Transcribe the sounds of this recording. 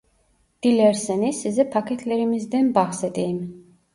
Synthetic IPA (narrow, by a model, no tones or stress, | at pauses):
d̪̥ilɛɾsɛnisizɛpʰakʰɛt̪ʰlɛɾimisd̪ɛnbaχsɛt̪ʼiːm